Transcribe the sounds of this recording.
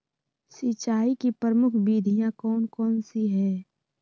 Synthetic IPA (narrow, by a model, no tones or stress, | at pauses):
sɪt͡ʃaːikipəɾəmʊkʰbiːd̪ʱijãkɔːnkɔːnsiɦɛː